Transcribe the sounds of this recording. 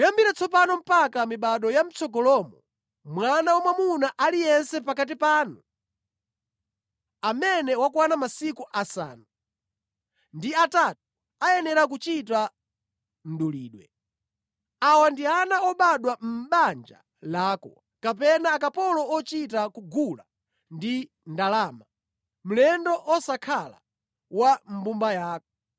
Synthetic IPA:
jambiɾat͡sɔpanɔm̩pakamiɓaɗɔjam̩t͡sʰɔkɔlɔmɔ | mwanawamwamunaʔalijɛnsɛpakat̬ipaːnu | amɛnɛwakwanamasikuʔasa̰ːnu | ndiatatu̥ | ajɛnɛɾak̬ut͡ʃita | n̩ɗulḭːɗwɛ̰ | awandianaɔɓaɗwam̩ɓand͡ʒa̰ | laːkɔ | kapɛnaːkapɔlɔɔt͡ʃit̬akuɡula | ndi | ndalaːma | m̩lɛndɔʔɔsakʰala̰ | wam̩bumbajaːkɔ̥

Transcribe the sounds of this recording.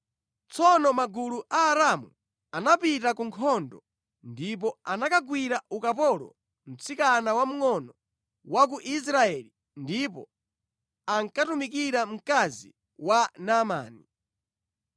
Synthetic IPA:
t͡sɔnɔmaɡuluʔaːɾamṵ | anapitakuŋkʰɔndɔ | ndip̬ɔanakaɡwiɾaukapɔlɔ̰ | m̩t͡sikanawam̩ŋɔnɔ | wak̬uʔis̬ɾaɛli | ndipɔ̰ | aŋkatumik̬iɾam̩kazḭ | wanama̰ːni

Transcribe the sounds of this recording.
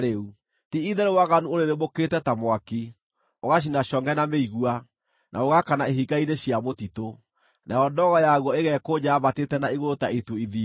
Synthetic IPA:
ɾeu | tiiðɛɾewaɣanuoɾeɾemoketɛtamwaki | oɣaɕ̬inaʃɔŋɡɛnameiɣua | nʔa̰oɣakanaeɦiɡaineɕiamotito | nʔajɔndɔɣɔjaɣwɔeɣɛkoɲaːβatetɛnaiɣotaituiði

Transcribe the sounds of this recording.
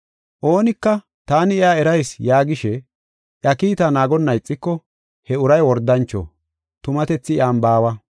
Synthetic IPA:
ʔo̞ːnɪkːɐ | t̪aːnɪɪaːɛɾɐjsjaːɡɪʃɛ | ʔjɐkiːt̪anaːɡɔnːɐjt͡sʼːɪkːɔ | hɛʊɾɐjwɔɾd̪ːɐnt͡ʃːɔ̰ | t̪ʊmɐt̪ɛt͡sːɪɪ̰aːmbaːwɐ

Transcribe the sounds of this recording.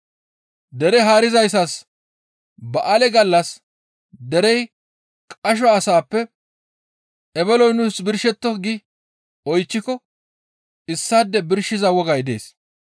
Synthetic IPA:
d̪ɛɾɛɦaːɾɪzɐjsɐs | bɐʔɐlɛɡɐlːɐs | d̪ɛɾɛj | kʼɐʃ̬ɔːsaːpːɛ | ɛbɛlɔjnʊsbɪɾʃɛt̪ːɔɡɪ | ɔjt͡ʃːɪkɔ | ɪsːaːd̪ːɛbɪɾʃɪzɐwɔɡɐjd̪ḛːs

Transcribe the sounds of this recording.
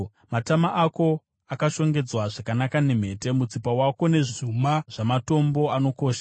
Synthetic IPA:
matamaʔako̞ | akaʃo̞ŋɡe̞d͡zwaʐakanakane̞m̤e̞te̞mut͡sipawako̞ne̞ʐumaʐ̥amato̞mbo̞ano̞ko̞ːʃḁ

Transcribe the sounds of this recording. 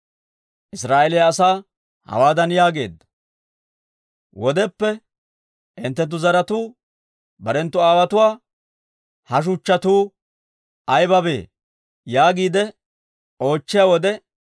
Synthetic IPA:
ʔɪsɾaːʔɛlɪjaːsaː | hɐ̰waːd̪ɐnjaːɡe̞ːd̪ːɐ̥ | wɔd̪ɛpːɛ | ʔɪnt̪ːɛt̪̬ːʊzɐɾɐt̪uː | bɐɾɛnt̪ːʊaːwɐt̪ʊwaː | hɐʃ̬ʊt͡ʃːɐt̪uː | ɐjbɐbe̞̰ː | jaːɡiːd̪ɛ | o̞ːt͡ʃːɪjaːwɔd̪ɛ

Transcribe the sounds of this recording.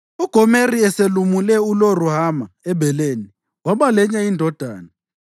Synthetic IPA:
uɡ̥ʱɔmeriɛselumulɛuloruhamaɛbʱɛleːni | waɓalɛɲaindʱɔd̥ʱa̰ːna

